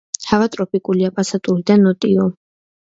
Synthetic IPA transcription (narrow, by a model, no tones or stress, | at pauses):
havat̪ʼɾɔpʰʼikʼuliapʼasat̪ʼuɾid̪anɔt̪ʼiɔ